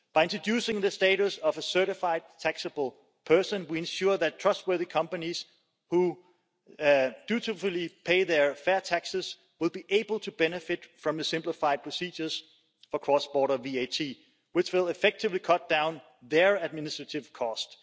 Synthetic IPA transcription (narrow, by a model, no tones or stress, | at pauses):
b̥aɪɪ̃ntɹ̥ədjʉːsɪ̃ŋðəsteɪɾusʌvəsɜ˞ɾɪfaɪd̚tʰæksəbl̩ˠ | pʰɜ˞sə̃nwiɨ̃nʃuðætʰɹ̥ʌst̚wɜ˞ðikʰʌ̃mpəniz̥ | hu | d̥ʉɾɪflˠipʰeɪðəfɛɐtʰæksɨz̥ | wɪlˠbiʔeɪbəl̩ˠtʰubɛnɨfɪtfɹʌ̃mðəsɪ̃mplɪfaɪd̚pʰɹ̥ɔsiːd͡ʒə˞z̥ | fəkʰɹ̥ɔsb̥ɔːɾəvietʰi | wɪt͡ʃwɪlˠɪfɛk̚tʰɪvlikʰʌt̚d̥ãʊ̃n | ðə˞æd̚mɪnɪstɹ̥əɾɪv̥kʰɔst